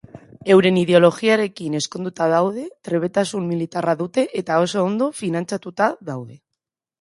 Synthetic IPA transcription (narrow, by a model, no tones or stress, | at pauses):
e̞wɾeniðeo̞lo̞xiaɾe̞kine̞skond̪ut̪aðawð̞et̪ɾe̞βe̞t̪asulmilit̪araðut̪e̞ʔet̪aosaond̪ofinãnt͡ʃat̪ut̪aðawðe